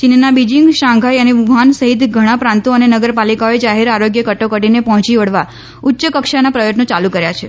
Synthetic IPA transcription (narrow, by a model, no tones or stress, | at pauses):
t͡ʃinnabid͡ʒĩŋɡʃãŋɡʱajəneʋuansəɦit̪ɡʱəɽ̃ãpɾãnt̪oənenəɡəɾpalikaoed͡ʒaɦeɾaɾoɡjəkəʈokəʈinepɔɦɔ̃t͡ʃiʋəɽʋa | ʊtːʃəkəkʃanapɾəjəʈnõt͡ʃalukəɾjat͡ʃʰe